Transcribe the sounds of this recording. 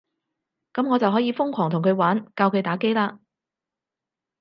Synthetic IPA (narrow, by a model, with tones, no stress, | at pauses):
kɐ˨˥mŋɔː˨˧t͡sɐ˨wɦɔː˨˥jiː˨˧fʊ˥ŋkʷʰɔː˨˩ŋt̪ʰʊ˨˩ŋkʰɵ˨˧ɥwaː˨˥nkaː˧wkʰɵ˨˧ɥt̪aː˨˥ke˥jlaː˧